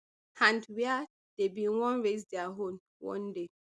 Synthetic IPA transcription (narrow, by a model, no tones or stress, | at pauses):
ãndwɛa | d̥ebĩnwɔ̃nɹezdɛaɦõm | wɔ̰̃nde